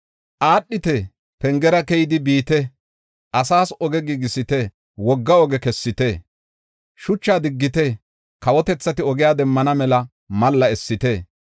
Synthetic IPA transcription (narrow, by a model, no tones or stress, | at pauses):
ʔaːɗːɪt̪ɛ | pɛŋɡɛɾɐkɛjɪd̪ɪbiːt̪ɛ | ʔɐsaːsɔɡɛɡiɡɪsɪt̪ɛ | wɔɡːɐɔɡɛkɛsːɪt̪ɛ | ʃʊt͡ʃːaːd̪ɪɡːɪt̪ɛ | kɐwɔt̪ɛt͡sːɐt̪ɪɔɡɪjaːd̪ɛmːɐnɐmɛlɐ | mɐlːɐɛsːɪt̪ɛ